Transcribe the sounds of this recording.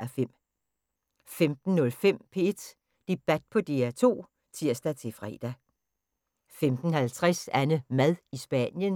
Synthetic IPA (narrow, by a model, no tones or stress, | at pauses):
æfem̰ | femd̥n̩ːɔ̽lfem̰pʰee̝d̥ | d̥e̝b̥æd̥̚pʰɒ̽d̥e̝æt͡sʰo̝̰ː | t͡sʰiɐ̰sd̥æt͡sʰe̝fʁɛ̰ːd̥æ | femd̥n̩hælt͡sʰʁɛsænəmæðˠisb̥æ̰njən